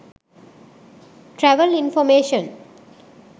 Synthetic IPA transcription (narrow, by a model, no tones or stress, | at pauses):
ʈɾɛʋəlĩnfɔmeːʃə̃n